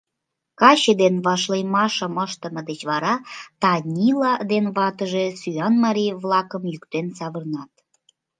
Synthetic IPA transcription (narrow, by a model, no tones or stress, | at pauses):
kɑɕed̪enβɑʃlejmɑʃəməʃt̪əməd̪et͡ɕβɑɾɑt̪ɑnʲilɑd̪enβɑt̪əʒesyɑnmɑɾʲijβlɑkəmjykt̪ensɑβərnɑt̪